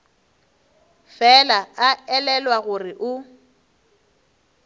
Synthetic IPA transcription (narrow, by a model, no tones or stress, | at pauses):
fɛlaaɛlɛlwaɣʊrɪʔʊ